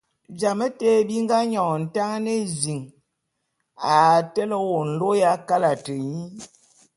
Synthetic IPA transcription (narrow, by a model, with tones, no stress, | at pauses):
d͡ʒa˨mə˦te˦bi˦ŋ˦ɡa˦ɲɔ˨n̩˨ta˦ŋ˦ne˦zi˨ŋ | a˨tɛ˦lə˦wo˨n̩˨lo˦ja˦ka˦la˨tə˨ɲi˦